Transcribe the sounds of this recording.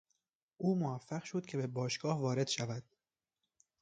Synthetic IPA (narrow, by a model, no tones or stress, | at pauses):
ʔuːmovæfːæɣʃod̪̥̚cʲʰe̞bebɒːʃɡ̥ɒːhvɒːɾe̞d̪̥ʃævæd̪̥